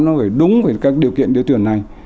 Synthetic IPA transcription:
nɔ˨˦fəː˧˩ɗʊ˨˦ŋ͡mvəː˨˩kaː˦˥k̚ɗi˨˩əwkḭ˧˨ənɗɨ˨˦t̪ɨ˧˩ənːa˨˩j

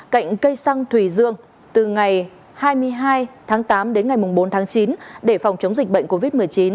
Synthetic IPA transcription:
ka̰˧˨jŋ̟kə˧jsa˧ŋt̪ʰwi˧˩zɨ̰˧˨əŋ | t̪ɨ˨˩ŋa˨˩j | haː˧jmɨ˧əjɦaː˧jt̪ʰaː˨˦ŋt̪aː˨˦mɗe˨˦nŋa˨˩jmʊ˨˩ŋ͡mɓo˨˦nt̪ʰaː˨˦ŋt͡ɕi˨˦nɗe˧˩fɔ˨˩wŋ͡mt͡ɕə˨˦wŋ͡mzï˨˩k̟̚ɓə̰˧˨ŋ̟ko˧vi˦˥t̚mɨ˨˩əjt͡ɕi˨˦n

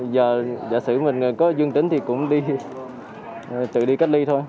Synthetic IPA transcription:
zəː˨˩za̰ː˧˨˩sɨ˧˩mï˨˩ŋ̟˨˩kɔ˨˦zwɨ˧ŋt̪ï˧˩ŋ̟t̪ʰi˨˩kʊ̰˧˥wŋ͡mɗi˧ | t̪ɨ̰˧˨ɗi˧ka˦˥k̚li˧t̪ʰo˧j

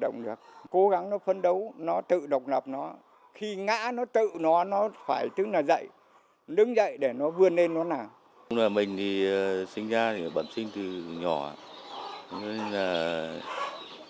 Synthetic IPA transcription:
ɗə̰˧˨wŋ͡mɗɨ˨˩ək̚ko˨˦ɣa˨˦ŋnɔ˨˦fə˧nɗə˨˦wnɔ˨˦t̪ɨ̰˧˨ɗə˨˩wk͡p̚lə˨˩p̚nɔ˨˦ | xi˧ŋa̰ː˧˥nɔ˨˦t̪ɨ̰˧˨nɔ˨˦nɔ˨˦faː˧˩jt̪ɨ˨˦naː˨˩zə̰˧˨j | ɗɨ˨˦ŋzə̰˧˨jɗe˧˩nɔ˨˦vɨ˧ənle˧nːɔ˨˦naː˨˩w | ŋ͡mlaː˨˩mï˨˩ŋ̟t̪ʰi˨˩ə˨˩sï˧ŋ̟zaː˧i˨˩ɓə˧˩nsï˧ŋ̟t̪ɨ˨˩ɲɔ˧˩a̰ː˧˨˦ | ŋ͡mne˧nlaː˨˩

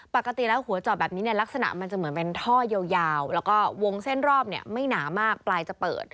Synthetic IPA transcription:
pa˨˩kːa˧t̪i˨˩lɛː˦˥whu˩˦ɐt͡ɕɔː˨˩t̚bɛː˨˩p̚niː˦˥ni˥˩ɐla˦˥k̚sa˧na̰˨˩ʔma˧nt͡ɕa˨˩mɯ˩˦npe˧nt̪ʰɔː˥˩je˧wjaː˧wlɛː˦˥wkɔː˥˩wo˧ŋse˥˩nɾɔː˥˩p̚ni˥˩əma˥˩jnaː˩˦maː˥˩k̚plaː˧jt͡ɕa˨˩pɤ̰ː˨˩t̪̚

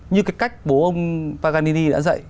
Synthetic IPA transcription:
ɲɨ˧kaː˨˦jka˦˥jk̟̚ɓo˨˦ʔə˧wŋ͡mpaː˧ɣaː˧ni˧ni˧ɗa̰ː˧˥zə̰˧˨j

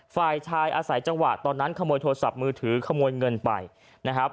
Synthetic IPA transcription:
faː˨˩jt͡ɕʰaː˧jʔaː˧sa˩˦jt͡ɕa˧ŋwa̰˨˩t̪ɔː˧nːa˦˥nkʰa˧moː˧jt̪ʰoː˧a˧sa̰˨˩p̚mɯː˧t̪ʰɯː˩˦kʰa˧moː˧jŋɤ˧npa̰˨˩j | na˦˥kʰɾa˦˥p̚

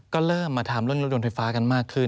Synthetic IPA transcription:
kɔː˥˩ɾɤː˥˩mːaː˧t̪ʰaː˩˦mɾu˥˩ənɾu˥˩t̚do˧nfa˧jfaː˦˥ka˧nmaː˥˩kʰːɯ˥˩

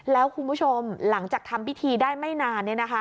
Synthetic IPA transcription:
lɛː˦˥wkʰu˧nbu˦˥˩t͡ɕʰo˧mla˩˦ŋt͡ɕaː˨˩k̚t̪ʰa˧mwi˦˥t̪ʰiː˧daː˥˩jma˥˩jnaː˧nːi˥˩ɐna˦˥kʰa˦˥

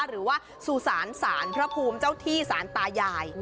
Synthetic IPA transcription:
ɾɯː˩˦waː˥˩ | su˨˩saː˩˦nsaː˩˦npʰɾa˦˥pʰuː˧mt͡ɕaː˥˩wt̪ʰiː˥˩saː˩˦nt̪aː˧jaː˧j

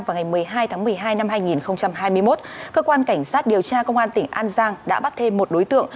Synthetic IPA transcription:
va˨˩ŋa˨˩jmɨ˨˩əjɦaː˧jt̪ʰaː˨˦ŋmɨ˨˩əjɦaː˧jna˧mɦaː˧jŋi˨˩nxə˧wŋ͡mt͡ɕa˧mɦaː˧jmɨ˧əjmo˦˥t̚kəː˧kwaː˧nka˧˩jŋ̟saː˦˥t̚ɗi˨˩əwt͡ɕaː˧kə˧wŋ͡mʔaː˧nt̪ï˧˩ŋ̟ʔaː˧nzaː˧ŋɗa̰ː˧˥ɓa˦˥t̚t̪ʰe˧mːo˨˩t̚ɗo˨˦jt̪ɨ̰˧˨əŋ

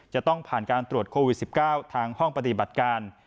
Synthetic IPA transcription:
t͡ɕa˨˩ʔt̪ɔ˥˩ŋpʰaː˨˩nkaː˧nt̪ɾu˨˩ət̪̚kʰoː˧wi˨˩si˨˩p̚kaː˥˩wt̪ʰaː˧ŋhɔ˥˩ŋpa˧t̪i˨˩ba˨˩t̪̚kaː˧n

